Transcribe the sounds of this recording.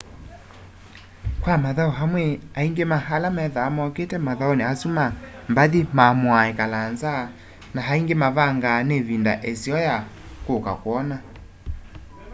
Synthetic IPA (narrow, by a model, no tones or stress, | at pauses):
kwamaðaɔɦamweaiŋɡemahalamɛðaːmɔketɛmaðaɔneasumambaðimamwaekalanza | naɦaiŋɡemaβaŋɡanevinda̰ʔesiɔja | koka̰kwɔna